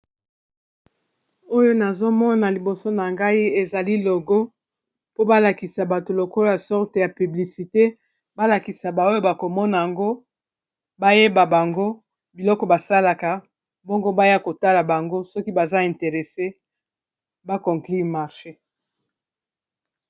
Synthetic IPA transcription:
o˦jo˦na˨zo˦mɔ˦na˨li˨bo˨so˦na˨ŋɡa˦i˦e˨za˨li˦lo˨ɡo˦ | po˦ba˦la˨ki˨sa˨ba˨to˨lo˨kɔ˦lja˨sɔ˦ʁte˨ja˨py˨bli˨si˨te˦ | ba˦la˨ki˨sa˨ba˨o˦jo˦ba˨ko˨mɔ˦na˨a˨ŋɡo˦ | ba˦je˦ba˨ba˨ŋɡo˦ | bi˨lɔ˦kɔ˨ba˨sa˦la˨ka˨ | bɔ˦ŋɡo˦ba˦ja˦ko˨ta˦la˨ba˨ŋɡo˦sɔ˦ki˦ba˨za˦ɛ˨nte˨ʁe˨se˦ | ba˦kɔ˨ŋkli˦˨ma˨ʁʃe˦

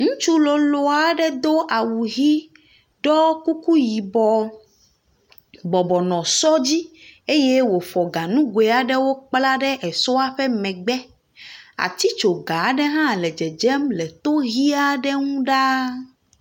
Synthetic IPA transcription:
ŋũ˦t͡ʃu˦lɔ˨lo˨a˨ɖɛ˦d̪o˦ʔa˨wu˨ɣi˦ | ɖɔ˦ku˦ku˦ji˨bɔ˨ | bɔ˨bɔ˨nɔ̃˨sɔ˦d͡ʑi˦e˦je˦wo˨fɔ˨ɡa˨nũ˦ɡwe˨a˨ɖɛ˦wo˦k͡pla˦ɖɛ˦ʔɛ˨sɔ˦a˦ɸɛ˦mɛ̃˨ɡ͡bɛ˦ | a̰˨t̪i˦t͡ʃo˨ɡa˨˦ɖɛ˦ɦã˦˨lɛ˨d͡ʒɛ˨d͡ʒɛ˦mlɛ˨t̪o˦ɣi˦a˦ɖɛ˦ŋũ˦ɖa˦

